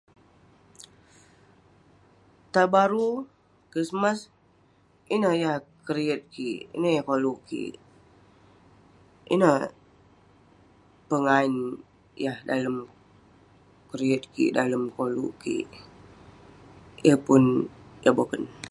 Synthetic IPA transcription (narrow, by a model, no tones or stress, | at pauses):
t̪abaɾu | kɾismas | inəhjahkəɾiət̪̚kiʔḭnəhjahkoluʔkḭʔ | ʔḭnəh | pəŋain | jahdaləm | kəɾiət̪̚kḭʔdaləmkolṵʔkḭʔ | jəpʊnjabokən